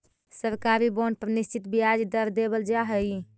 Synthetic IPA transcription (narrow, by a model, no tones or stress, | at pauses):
səɾkaɾiboɳɖ̚pəɾnist͡ʃit̪bijad͡ʒd̪əɾd̪ebəld͡ʒaɦəj